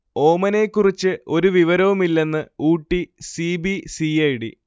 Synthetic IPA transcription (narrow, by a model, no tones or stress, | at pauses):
o̞ːmɐne̞ːkːurit͡ɕːɨo̞ɾuʋiʋɐɾɐʋumilːe̞nːɨuːʈːisibisiɐjɽḭ